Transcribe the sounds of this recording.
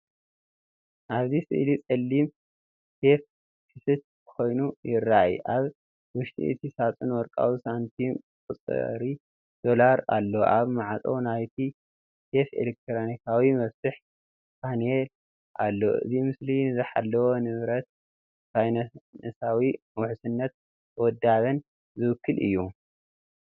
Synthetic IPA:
ʔaβzisɨ̰ʔlit͡sʼɐlːim | sef | kʰisɨt̪̚ | kʰo̞jnujɪrːajḭʔaβ | wʊʃt̪ʼḭʔɨ̰t̪ʰisat͡sʼɨnwɔɾkʼa̰wisant̪ʰim | kʼɨt͡sʼɨ̰ɾi | d̪̥o̞laɾa̰lːoʔaβmaʕat͡sʼo̰wnajt̪ʰi | sefḛlek̚t̪ʰɾonikʰawimɐβsɨħ | pʰanel | ʔalːo̰ʔɨ̰zimɨslinɨzɨħa̰lːɐwonɨβɾɐt̪̚ | sajnɐnɐsawimwʊħusɨnːɐt̪̚ | wɔd̪ːaβɐn | zɨwɨkʰːɨlʔɨ̰jːu

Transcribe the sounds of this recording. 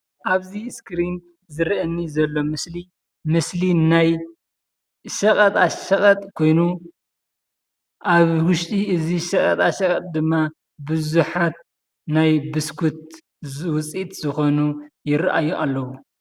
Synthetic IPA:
ʔaβziskɾin | zɨɾʔɐnːizɐlːo̞mɨsli | mɨslinaj | ʃɐkʼɐt̪ʼaʃɐkʼɐt̪ʼkʰo̞jnu | ʔaβwʊʃt̪ʼiɨziʃɐkʼɐt̪ʼaʃɐkʼɐt̪ʼd̪ɨmːa | bɨzuħat̪̚ | najbɨskʰut̪̚ | wʊt͡sʼit̪zɨxo̞nujɪɾʔa̰juʔalːɐwu

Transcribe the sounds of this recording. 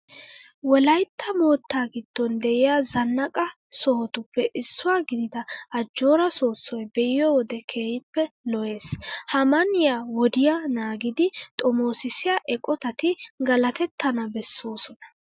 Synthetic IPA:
wɔlɐjt̪ʰːɐmo̞ːt̪ːaːɡɪd̪̥ːɔnd̪ɛʔɪjaːzɐnːɐkʼɐ | sɔhɔt̪ʊpːɛʔɪsːʊwaːɡɪd̪ɪd̪ɐʔɐd͡ʒːo̞ːɾɐso̞ːsːɔjbɛʔɪjɔwɔd̪ɛkʰe̞ːhɪpːɛlɔʔe̞ːshɐmɐnɪjawɔd̪ɪjanaːɡɪd̪ɪt̪ʼɔmo̞ːsɪsɪjaʔɛkʼɔt̪ɐt̪ɪɡɐlɐt̪ɛt̪ːɐnɐbɛsːoːsɔnɐ̥

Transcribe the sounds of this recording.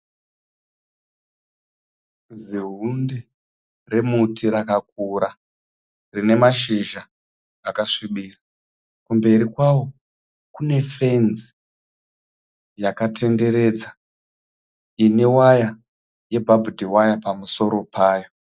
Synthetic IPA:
ziɦunde | re̞mutiɾakak̚uɾa | rine̞maʃiʒaː | kaʂiɓiːra | kumbe̞ɾikwawo̞ | kune̞fe̞nzi̥ | jakate̞nde̞ɾe̞d͡za | ine̞waja | je̞bʱabʱudʱiwajapamuso̞ɾo̞pʰaːjo

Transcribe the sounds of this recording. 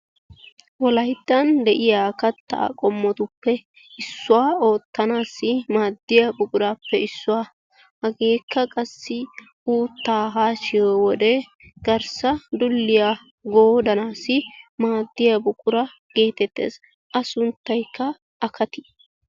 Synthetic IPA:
wɔlɐjd̪ːɐnd̪ɛʔɪjaːkɐt̪ːa̰kʼɔmːɔt̪ʊpːɛ | ɪsːʊwaːo̞ːt̪ːɐnaːsːɪmaːd̪ːɪjɐbʊkʼʊɾaːpːɛɪsːʊwaː | hɐɡe̞ːkːɐkʼɐsːɪ | ʔuːt̪ːaːɦaːʃɪjwɔd̪ɛ | ɡ̥ɐɾsɐd̪ʊlːɪja | ɡoːd̪ɐnaːsɪmaːd̪ːɪjɐbʊkʼʊɾɐ | ɡ̥e̞ːt̪ɛt̪ːḛːs | ʔɐsʊnt̪ːɐjkːɐ | ʔːkʰɐt̪ɪ̥

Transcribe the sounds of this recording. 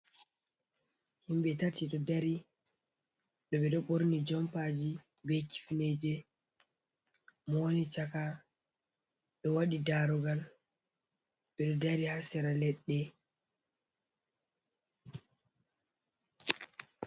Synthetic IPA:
himɓɛtatʰiɗɔdaɾi | ɗɔɓɛɗɔɓoɾnid͡ʒɔmpad͡ʒi | bɛjki̥fined͡ʒɛ | mɔnit͡ʃaka | ɗɔwaɗidaɾɔɡal | ɓɛɗɔdaɾihasɛɾalɛɗːɛ

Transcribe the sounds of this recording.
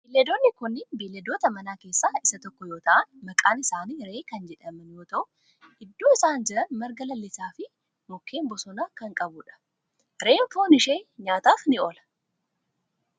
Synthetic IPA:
bilːɛd̪oːnːɪkʊnːɪnbiːlːɛd̪oːt̪ɐmɐnaːke̞ːsːaːɪsɐt̪ɔkːɔjo̞ːt̪ɐʔɐnmɐkʼaːnɪsaːniːɾe̞ːkɐnd͡ʒɛᶑɐmɐnjoːt̪ɐʔʊ | ɪd̪ːoːɪsaːnd͡ʒɪɾɐnmɐɾɡɐlɐlːɪsaːfɪ | mʊkʰːe̞ːmbɔsɔnaːkɐŋkʼɐbʊᶑɐ̥ | ɾeːɱfoːnɪʃe̞ːɲaːt̪aːfnɪoːlɐ̥

